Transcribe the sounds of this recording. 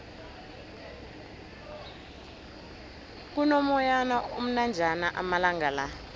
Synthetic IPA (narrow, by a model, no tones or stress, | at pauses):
k̬unɔmɔjanaum̩nand͡ʒʱanaʔamalaŋɡala